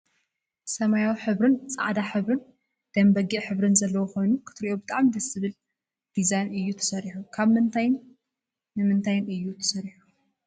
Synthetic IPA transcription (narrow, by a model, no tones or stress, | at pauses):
sɐmajawiħɨβɾɨnt͡sʼa̰ʕd̪aħɨβɾɨn | d̪̥ɐmbɐɡiʕħɨβɾɨnzɐlːɐwoxo̞jnukʰɨ̥t̪ʰɨɾiʔo̞bɨt̪ʼaʕmid̪ɐsɨβɨl | d̪̥izajnɨjːut̪ʰɐ̥sɐɾiħukʰaβmɨnt̪ʰajn | nɨmɨnt̪ʰajnɨjːut̪ʰɐ̥sɐɾiħu̥